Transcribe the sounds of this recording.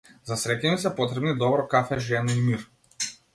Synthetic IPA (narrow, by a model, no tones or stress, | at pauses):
zasɾɛcɛmisɛpɔt̪ɾɛbnid̪ɔbɾɔkafɛʒɛnɔimiɾ